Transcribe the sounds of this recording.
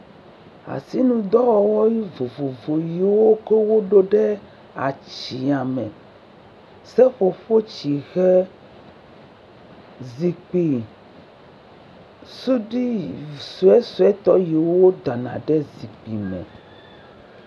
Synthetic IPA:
a̰˨si˦nũ˨d̪ɔ˦wɔ˦wɔ˦ji˦vo˨vo˨vo˨ji˨wo˦ke˦wo˦ɖo˦ɖɛ˦ | a̰˨t͡ɕi˨a˨mɛ̃˨ | sɛ˦ɸo˨ɸo˦t͡ɕi˨ɣɛ˦ | zi˨k͡pi˨ | su˦ɖi˦su˦ɛ˦su˦ɛ˦t̪ɔ˦ji˨wwo˦d̪a˨nã̰˨ɖɛ˦zi˨k͡pi˨mɛ̰̃˨

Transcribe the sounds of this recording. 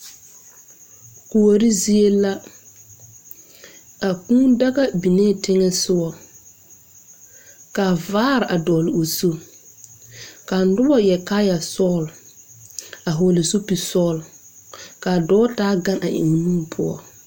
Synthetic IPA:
ko˨wo˨ɾi˦zi˦e˦la˦ | a˨kũː˦da˦ɣa˦bi˨ne˦˨tɪ˦ŋɛ˦sʊ˦ɔ˨ | ka˨vaː˦ɾɪ˨ʔa˨dɔː˨lɪ˨o˨so˦ | ka˨n̩˨˦dʊ˦bɔ˦˨jɛ˨ka˦ja˨sɔː˦˨l | a˨ɦo˨lɪ˨so˦pi˨sɔː˦˨l | ka˨dɔː˦taː˦ɡa˦nʔa̰˨ʔɪ̰˨ŋ˨nũː˦pʰʊ˦ɔ̰˦

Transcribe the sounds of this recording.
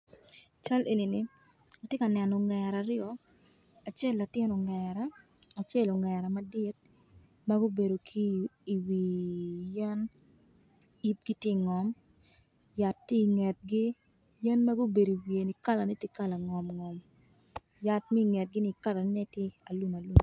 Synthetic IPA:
a˨t͡ʃa˦lʔe˨ni˨nɪ˨ | a˨tjɪ˦ka˨nɛ˨nɔ˨ŋɛ˨ɾa˨ɾɪ˦ɔ˦ | a˨t͡ʃe˦˨lːa˨tɪ˦nɔ˨ŋɛɾa˦ | a˨t͡ʃe˦˨lo˨ŋɛ˨ɾa˨ma˨dɪ˦t̚ | ma˦ɡo˦be˨do˨kʰiː˦˨wi˨jɛ˦n | i˦p̚ɡi˦tje˦˨ŋɔ˨m | ja˨tːi˦˨ŋɛ˨t̚ɡɪ˦ | jɛ˦nma˦ɡʊ˦be˨di˨wi˨e˨ni˨ka˦la˨nɪ˦tje˦ka˦la˨ŋɔ˨mŋɔ˨m | ja˨˦tmi˦i˨ŋɛ˨t̚ɡɪ˦ni˦ka˦la˨nɪ˦nɛ˦tje˦a˨lu˦ma˨lu˦m

